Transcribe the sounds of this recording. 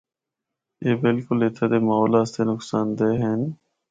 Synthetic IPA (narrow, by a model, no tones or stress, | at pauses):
eːbɪlkʊlet̪ʰad̪eːmaːoːlaːst̪eːnʊksaːnd̪eːɦeːn